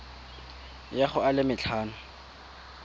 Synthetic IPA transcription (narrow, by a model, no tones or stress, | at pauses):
jaχʊalɪmɪt͡ɬʰaːnʊ